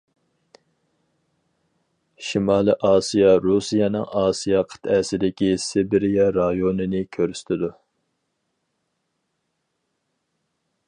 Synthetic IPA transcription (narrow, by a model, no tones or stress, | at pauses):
ʃimɑːlˠɨʔɑːsijɑɾusijɑnɨŋɑːsijɑqʰə̥t̪ʰɛsɪd̪ɪkʲisɪbɪɾijɑɾɑjonɨnɪkʲʰøɾysɪ̥t̪ʰɪd̪u